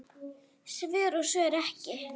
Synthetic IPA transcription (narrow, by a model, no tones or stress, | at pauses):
svʏɾɔsœːɾɛhcɪ